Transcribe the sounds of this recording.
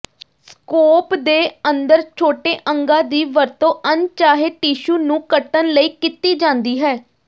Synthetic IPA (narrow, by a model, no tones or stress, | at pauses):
skoːpd̪eːənd̪əɾt͡ʃʰoːʈeːʔəŋɡãːd̪iːʋəɾt̪õːʔənt͡ʃaːɦeʈiːʃuːnũːkəʈənləiːkɪt̪iːd͡ʒãːnd̪iːɦɛː